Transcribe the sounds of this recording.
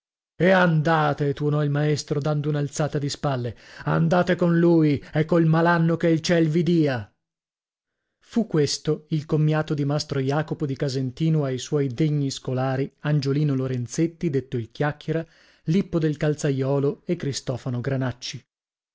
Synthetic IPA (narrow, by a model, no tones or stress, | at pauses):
eand̪aːt̪et̪uonɔilmaest̪ɾod̪and̪ounalt̪saːt̪ad̪ispalːea̰nd̪aːt̪ekonluːjɛkːoilmalanːokeilt͡ʃɛlvid̪iːa | fukːwest̪oilkomːjaːt̪od̪imast̪ɾojaːkopod̪ikazent̪iːnoajswɔjd̪eɲːiskolaːɾiand͡ʒoliːnoloɾent̪set̪ːid̪et̪ːoilkjakːjeɾa | lipːod̪elkalt̪sajɔːloekːɾist̪ɔːfanoɡɾanat͡ʃːi